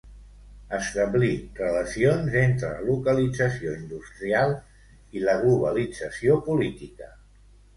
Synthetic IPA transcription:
əst̪əβlirələsionzent̪ɾələ̰lukəlid͡zəsioind̪ust̪ɾialˠ | iləɣ̞luβəlid͡zəsiopulit̪ikə

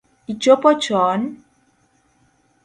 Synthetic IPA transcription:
it͡ʃopɔt͡ʃɔn

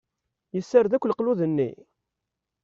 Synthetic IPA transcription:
jəsːəɾðækʷːləqluðənːḭ

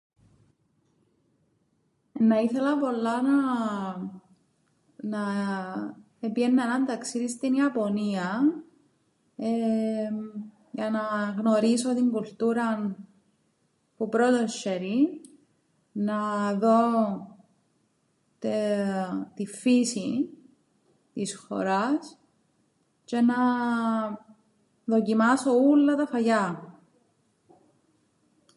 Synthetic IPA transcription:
nːɐiθe̞lɐpo̞lːɐnɐ | nɐ | epienːɐenɐnt̪ɐksiðist̪iniɐpo̞niɐ | e | jɐnɐɣno̞ɾiso̞t̪iŋɡult̪uɾɐn | pupɾo̞t̪oʃeɾi | nɐðo̞ | t̪e | t̪ifisi | t̪isxo̞̰ɾɐs | t͡ʃe̞nɐ | ðo̞cimɐso̞ulːɐt̪ɐfɐʝɐ

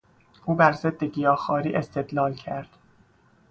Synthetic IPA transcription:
ʔuːbæɾzed̪ːeɟijɒːxɒːɾiːʔest̪ʰe̞d̪lɒːlcʰæɾd̪̥

